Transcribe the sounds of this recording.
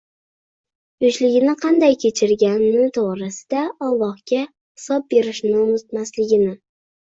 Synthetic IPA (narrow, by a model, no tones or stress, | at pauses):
ʊʃlɪɡʲɪnɪqʰɑnd̪ajkʲʰe̞t͡ʃʰɪɾɡʲanɪt̪ʰoʁɾɪsɪ̥d̪aɒlˠːɒhɡʲa | hɪ̥sɒb̚be̞ɾɪʃnɪʊmʊt̪maslɪɡʲɪnɪ